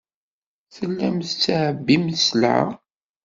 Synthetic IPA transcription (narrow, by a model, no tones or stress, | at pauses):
θəlːæmθt͡sːʕəbːiməslʕa̰